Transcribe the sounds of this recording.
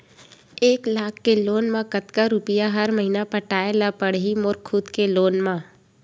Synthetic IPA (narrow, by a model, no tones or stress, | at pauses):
eːklaːkʰːeloːnmãkət̪kaɾʊpijaɦəɾməɦinapəʈaːelapəɽɦimoːɾkʰːuːd̪keloːnmãː